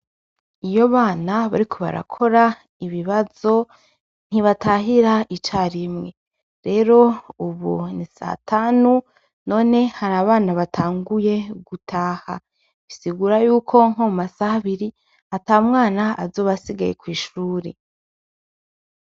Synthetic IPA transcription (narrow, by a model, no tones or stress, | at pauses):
ijo̞βaːnaβa̰ɾikʰo̞βa̰ɾa̰kʰo̞ɾa | iβiβazo̞ | n̥hiβataɦiɾaʔit͡ʃaːɾimŋe̞ | ɾe̞ːɾo̞uβṵnisa̰tʰaːnu | no̞ːne̞haɾaːβaːnaβatʰaːŋɡuje̞ɡutʰaːha | βisiɡuːɾajuːkʰo̞ŋ̥omasahaβiɾi | ataːmŋaːnaazo̞ːβasiɡajḛkwiːʃuːɾḛ